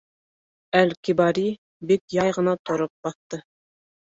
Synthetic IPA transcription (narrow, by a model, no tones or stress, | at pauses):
ælkibɑɾi | bikjɑjʁɤ̆nɑt̪ŏɾop̚bɑθt̪ɤ